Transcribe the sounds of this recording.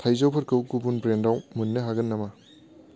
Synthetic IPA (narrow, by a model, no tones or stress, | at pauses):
tʰajzowpʰɐɾkɯwkubunbɾendawmunːɯɦaɡɐnːɐmɐ